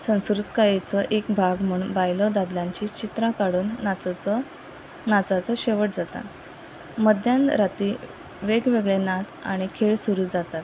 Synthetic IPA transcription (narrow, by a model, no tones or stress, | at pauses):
sə̃w̃skɾut̪kajet͡səʔekbʱaɡm̤əɳbajlɔd̪ad̪ljãɲt͡ɕiːt͡ɕit̪ɾakaɽuːnːa | nat͡sat͡səɕeʋəʈ̚d͡zat̪a̰t̪ | məd̪janɾat̪iː | ʋeɡʋeɡɭenat͡sa̰ɽ̃ikʰeɭsuɾuːd͡zat̪at̪